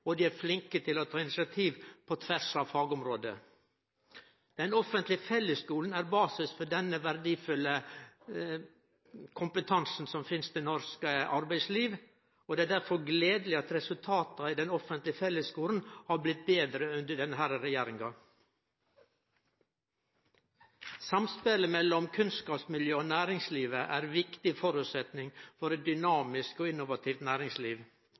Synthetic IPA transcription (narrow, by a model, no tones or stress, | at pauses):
ɔd̪iːæɾflɪŋkət̪ʰɪlɔt̪ʰɑːɪnɪsɪɑt̪ʰiːʋpʰɔt̪ʰʋæʂɑʋfɑːɡɔmɾoːd̪ə̰ | d̪̥ɛnɔfənt̪lɪfɛlːəskuːln̩æːɾbɑːsɪsfɔɖɛnəʋæɾd̪iːfʉlːə | kʰʊmpət̪ʰɑnsn̩sɔmfɪnst̪ɛnɔɾskəʔɑɾbæɪsliːʋ | oːd̪ɛæːd̪æɾfɔɾɡleːd̪lɪɑt̪ɾɛsʉlt̪ʰɑːt̪ɑɪd̪ɛnɔfənt̪lɪfɛlːəskuːln̩hɑɾblɪt̪̚beːd̪ɾəʉnd̪əɖɛnəɦæɾəɾɛjeːɾɪŋɡɑ | sɑmspeləmɛlːɔmkʰʉnskɑːpsmɪljøːɔːnæːɾɪŋsliːʋəʔæːɾʋɪkt̪ɪfɔɾʉːt̪sɛt̪nɪŋfɔɾɛt̪̚d̪ʏnɑːmɪskɔɪnːʊʋɑt̪ʰiːft̪næːɾɪŋsliːʋ